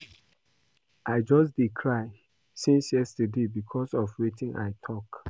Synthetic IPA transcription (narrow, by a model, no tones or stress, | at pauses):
ʔaɪd͡ʒɔsd̥ikʰɹaɪ | sĩnsjɛstədebikʰɔsɔfɹitĩnʔa̰ɪtʰɔk